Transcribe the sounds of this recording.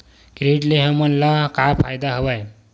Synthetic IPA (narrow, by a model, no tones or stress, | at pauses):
kɾeʈleɦəmənlakapʰajd̪aɦəʋaj